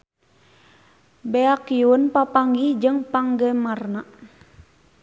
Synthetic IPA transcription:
beakiunpapaŋɡid͡ʒɨŋpaŋɡəmarnaʔ

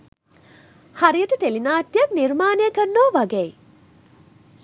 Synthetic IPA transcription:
hɐɾijəʈəʈelinaːʈijək̚niɾmaːnejəkəɾnoːʋɐɡej

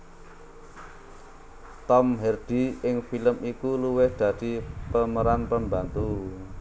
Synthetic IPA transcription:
t̪ɔmɦɛrd̪̥i̤ɪŋfiləmikuluwɪhd̪̥ä̤d̪̥i̤pəməɾanpəmbant̪u

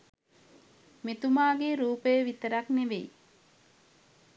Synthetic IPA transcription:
met̪umaːɡeɾuːpəjəʋit̪əɾakneʋej

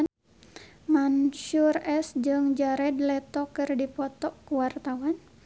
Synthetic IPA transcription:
manʃurɛsd͡ʒɨŋd͡ʒaɾɛdlɛt̪ɔkɨrdipɔt̪ɔkuwart̪awan

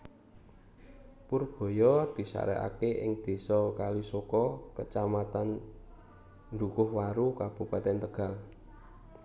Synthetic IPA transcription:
pʊrb̥o̤jɔd̪̥i̤sa̰ɾɛ̰ʔa̰keʔɪ̰ŋd̪̥e̤sɔkalisokɔkət͡ʃamat̪an | nd̪ukʊhwaɾukab̥ṳpat̪ɛnt̪əɡ̥a̤l

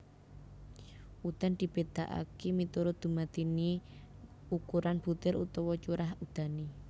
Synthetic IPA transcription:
ʔud̪̥and̪̥i̤b̥ed̪̥aʔa̰kemit̪uɾʊd̪̥ṳmat̪ini | ukuɾanb̥ut̪ɪɾṵt̪ɔwɔt͡ʃuɾahud̪̥a̤ni

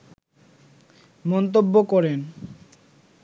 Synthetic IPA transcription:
mɔnt̪̬obːokɔɾen

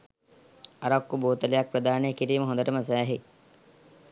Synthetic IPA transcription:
ɐɾakːuboːt̪ɐlejak̚pɾɐd̪aːnekiɾiːməɦõnd̪əɾəməs̬æːɦe

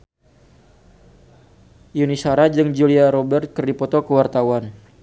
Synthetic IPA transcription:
junisaɾad͡ʒɨŋd͡ʒuliaɾobɛrt̪̚kərdipɔt̪ɔkəwart̪awan

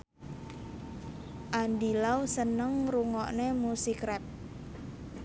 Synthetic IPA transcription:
ʔandilawsənəŋruŋɔʔnemusikɾɛp̚

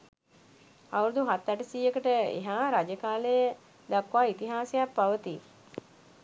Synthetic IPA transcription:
auɾud̪uɦat̪ːaʈəsiːekəʈəḛɦaːɾad͡ʒəkaːləjə | d̪akʋaːit̪iɦaːsəjappːaʋət̪i

